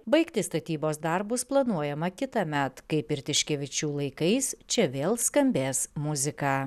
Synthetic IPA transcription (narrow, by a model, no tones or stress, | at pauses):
bɐɪkt̪ʲɪst̪ɐt̪ʲiːboːsd̪ɐɾbʊsplˠɐnuɔjɛmɐkʲɪt̪ɐmʲɛt̪kɐɪpɪɾt̪ʲɪʃʲkʲɛʋʲɪt͡ʃʲuːlˠɐɪkɐɪst͡ʃʲɛʋʲeːlˠskɐmʲbʲeːsmʊzʲɪkɑː